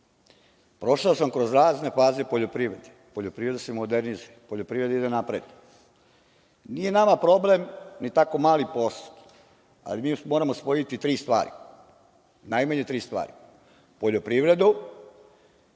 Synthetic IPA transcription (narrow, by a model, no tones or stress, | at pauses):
pɾo̞ʃaosamkɾozɾaːzne̞faːzepoʎo̞pɾiʋɾe̞d̪e̥ | po̞ʎopɾiʋɾed̪asemod̪eɾniz | poʎopɾiɾe̞d̪aid̪enapɾḛd̪na | nije̞namapɾo̞ble̞mnit̪ako̞maːlipo̞st̪ | a̰limiːmoɾamospo̞jit̪it̪ɾiːst̪ʋa̰ːɾḭ | najmaɲet̪ɾiːst̪ʋa̰ːɾi | po̞ʎopɾiʋɾe̞d̪u